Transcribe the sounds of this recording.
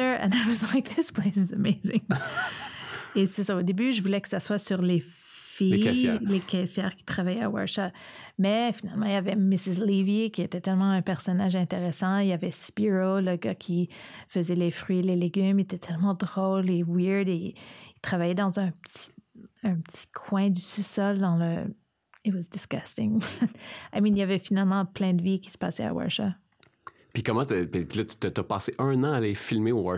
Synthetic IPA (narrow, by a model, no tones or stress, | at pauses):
əə̰̃nawʌzkðɪspleɪszəmezɪŋ | esɛsaod̪ebyʒəvulɛkə̥saswasyʁle | filekʰʲɛsjɛ̰ːʁkʲi̥t̪χavajɛa̰wɔ̰ɹʃat̪mɛfinalmɑ̃ijavɛmɪsɪzlivikʲiet̪ɛt̪ɛlmɑ̃ɛ̃pɛʁsɔnaʒɛ̃t̪eʁesɑ̃iljavɛspiʁoləɡakʲʰifəzɛlefʁɥieleleɡʲymet̪ɛt̪ʰɛlmɑ̃d̪ʁɔlewiʁd̪eːt̪χavajɛd̪ɑ̃zɛ̃pət̪i̥ɛ̃pət̪i̥kʰwɛ̃d̪ysusɔld̪ɑ̃lə | it̪wʌzd̪ɪsɡ̥ast̪ɪ̃ŋ | aminijavɛfinalmɑ̃plɛ̃d̪əvikʲi̥sə̥pa̰ːsɛa̰wa̰ʃa | pikɔmɑ̃t̪ipilʌt̪y̥t̪ət̪apɑːseʔœ̃nɑ̃alefilmewa